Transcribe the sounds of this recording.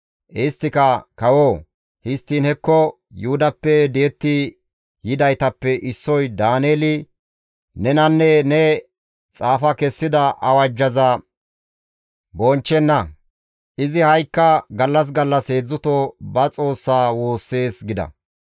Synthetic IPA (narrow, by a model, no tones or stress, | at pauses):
ʔɛst̪ːɪkɐkɐwoː | hɪst̪ːiːnhɛkːɔ | jʊhʊd̪ɐpːɛd̪ɪjɛt̪ːɪ | jɪd̪ɐjt̪ɐpːɛʔɪsːɔjd̪aːneːlɪ | nɛnɐnːɛnɛ | t͡sʼaːfɐkɛsːɪd̪ɐʔɐwɐd͡ʒːɐzɐ | bɔnt͡ʃːɛnːɐ | ʔɪzɪhɐjkːɐɡɐlːɐs̬ɡɐlːɐshe̞ːd͡zːʊt̪obɐt͡sʼo̞ːsːaːwoːsːe̞ːsɡɪd̪ɐ̰